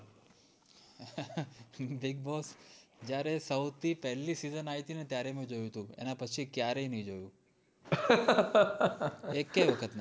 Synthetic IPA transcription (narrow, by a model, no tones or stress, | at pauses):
biɡ̚bɔsd͡ʒjaɾesəwt̪ʰipɛɦlːisizənaɦit̪inet̪jaɾemẽd͡ʒojũt̪ũḛnapət͡ʃʰikjaɾəinəĩd͡ʒojũ | ekeʋəkʰət̪ne